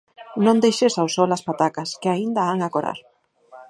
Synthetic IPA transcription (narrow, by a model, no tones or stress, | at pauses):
nõŋd̪ejʃesawsɔlaspat̪akɐskɪaind̪ɐaŋakoɾa̰ɾ